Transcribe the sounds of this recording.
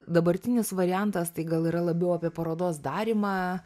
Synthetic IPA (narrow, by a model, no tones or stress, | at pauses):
d̪ɐbɐɾʲt̪ʲɪnʲɪsʋɐɾʲɪjænt̪ɐst̪ɐɪɡɐlˠiːɾɐlˠɐbʲɛʊɐpʲiɛpɐɾoːd̪oːs̬d̪ɑːɾʲimɑː